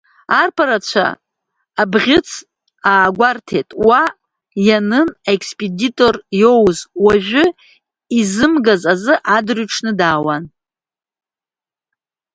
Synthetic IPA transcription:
arpʰaɾat͡ɕʷʰa̰ː | bʁʲɪt͡sʰ | aːɡʷartʰe̞jtʼwa | janɨnaekʰspʼeditʼo̞rjo̞wzwaʒᶣʷʊ | izɨmɡazazɨʔadrɥʈ͡ʂʰnɨdaːwan

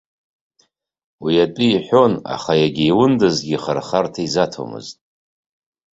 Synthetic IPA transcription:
wiatʼiːħʷᶣo̞na̰χajaɡʲiiwʊndɨzɡʲiχarχartʰaizatʰo̰mɨ̰ztʼ

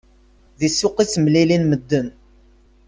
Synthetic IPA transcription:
ðisːʊqismlilinməd̪ːən

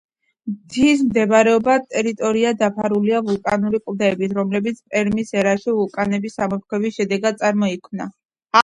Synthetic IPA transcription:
md̪ʰis̬md̪ɛbɾɛɔbat̪ʼɛɾit̪ʼɔɾiad̪apʰaɾuliavulˠkʼanuɾikʼvlˠd̪ɛːbit̪ʰɾɔmlɛbit̪sʰpʼɛɾmisɛɾaʃivulˠkʼanɛbisamɔp̚kʰwɛvisʃɛd̪ɛɡad̪̚t̪sʼaɾmɔikʰmna̰

